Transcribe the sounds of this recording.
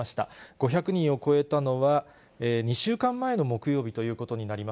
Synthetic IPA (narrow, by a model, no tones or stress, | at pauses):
aɕi̥t̪a̰ɡ̥o̞çakɯ̟ɲ̟ĩɰ̃o̞ko̞e̞t̪ano̞βa | eːɲ̟iɕɨːkãmːae̞no̞mo̞kɯ̟jo̞ːbʲit̪o̞jɯ̟ːko̞t̪o̞ɲ̟inaɾʲima